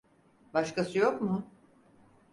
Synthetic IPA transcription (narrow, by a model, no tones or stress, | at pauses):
baʃkasɯjo̞kmʊ